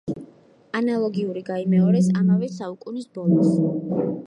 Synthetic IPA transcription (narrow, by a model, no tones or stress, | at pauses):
analˠɔɡiuɾiɡaimɛɔɾɛsamavɛsaukʼunisbɔlˠɔs